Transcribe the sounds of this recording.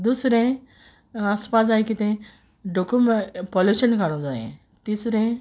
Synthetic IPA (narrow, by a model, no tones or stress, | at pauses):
d̪usɾẽ | aspaːs̬ajkit̪ẽ | ɖokumpɔluʃənkaɽõd͡zajḛ̃ | t̪isɾẽ